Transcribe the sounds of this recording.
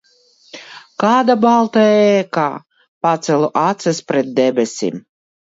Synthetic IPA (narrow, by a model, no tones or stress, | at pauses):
kaːd̪abalˠt̪aɛːka̰ː | pat̪sɛlˠuʔat̪sɛspɾɛt̪̚d̪ɛbʲɛsʲḭm